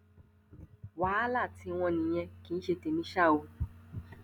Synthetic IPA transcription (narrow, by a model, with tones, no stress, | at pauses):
wa˨˦la˦˨tĩ˨˧˦w̃ɔ̃˧nĩ˨j̃ɛ̃˧ki˨˧n̩˦ʃe˧te˨mĩ˦ʃa˦˨o˧